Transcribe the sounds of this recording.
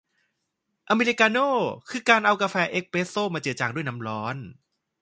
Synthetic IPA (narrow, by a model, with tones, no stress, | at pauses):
ʔa˧meː˧li˧˥kaː˧noː˥˩kʰɯː˧kaː˧nʔa˧wkaː˧fɛː˦˥ʔe˦˥k̚peː˦˥soː˥˩maː˧t͡ɕɯ˨˩t̚t͡ɕaː˨˩ŋdu˥˩jna˦˥mɾɔː˦˥n